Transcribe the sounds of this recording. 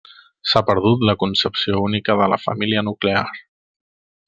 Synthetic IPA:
sapəɾðut̪ləkunsəpsiounikəðələ̰fə̰miliənukleaɾ

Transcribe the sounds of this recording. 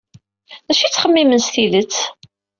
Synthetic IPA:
ðæʃit͡sːχəmːimənsθiðət͡sː

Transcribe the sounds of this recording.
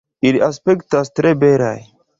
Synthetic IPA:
iliʔaspektastɾebeɾa̰j

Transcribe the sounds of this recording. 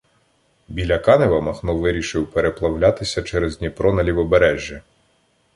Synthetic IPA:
bʲilʲɐkɑneʋɐmɐxnɔʋɪɾʲiʃɪwpeɾeplˠɐwlʲat̪ɪsʲɐt͡ʃɛɾeznʲipɾɔnɐlʲiwɔbeɾɛʒʲːɐ

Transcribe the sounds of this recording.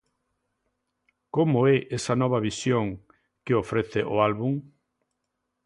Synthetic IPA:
komoɛʔesɐnɔβ̞ɐβisjoŋ | keofɾeθeʔoalβuŋ

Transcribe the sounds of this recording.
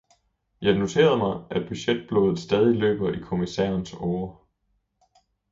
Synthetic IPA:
jɑ̈ɪno̝t͡sʰe̝̰ːɐð̞̩ˠmɑ̈ɪʔæd̥b̥yɕed̥̚b̥loːðð̩ˠsd̥ɛːðˠilø̰ːb̥ɐikʰo̝misɛ̰ːɐnsɒːɐ

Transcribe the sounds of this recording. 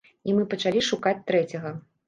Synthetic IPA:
imɨpɐt͡ʂalʲiʂukat͡sʲt̪ɾɛt͡sʲɐɣɐ

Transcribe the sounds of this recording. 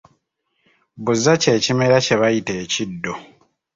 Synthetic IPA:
buzːace̞ːcime̞ɾace̞βajite̞ːcidːo̞

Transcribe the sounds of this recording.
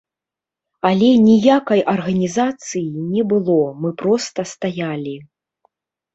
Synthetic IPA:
ɐlʲɛnʲijakɐjʔɐrɣɐnʲizat̪sɨjinʲɛbɨlˠɔmɨpɾɔst̪ɐst̪ajalʲi

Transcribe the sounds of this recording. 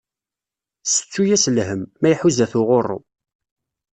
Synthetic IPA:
sə̥t͡sːujæslɦəmːæjħuzæθʊʁorːo̰

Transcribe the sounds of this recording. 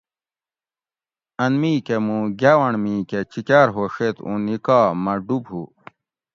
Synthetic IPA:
ɐnmiːkemũɡʲaːwɐɳmĩːket͡ɕikʲaːɾɦoːʂet̪ṵ̃nikaːmɐɖubɦu

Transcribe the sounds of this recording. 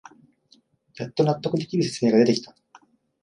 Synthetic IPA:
jat̪ːo̞nat̪ːo̞kɯ̟t̪e̞kʲiɾɯ̟se̞t͡sɨ̥me̞ːɡad̪e̞t̪e̞kʲi̥t̪a

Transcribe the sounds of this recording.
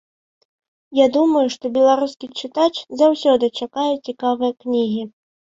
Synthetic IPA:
jad̪umɐjuʂt̪ɔbʲɛlˠaɾuskʲit͡ʂɨt̪at͡ʂzawsʲɔd̪ɨt͡ʂakajɛt͡sʲikavɨjɐknʲiɣʲi

